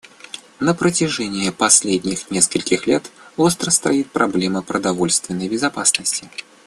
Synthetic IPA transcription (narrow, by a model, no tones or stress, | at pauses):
nəpɾətʲɪʐɛnʲɪjəpɐsʲlʲedʲnʲɪxnʲeskəlʲkʲɪxlʲet̪ost̪ɾəst̪ɾɐjit̪̚pɾʔɐblʲɛməpɾəd̪ɐvolʲst̪vʲɪnːəjbʲɪzɐpasnəsʲtʲɪ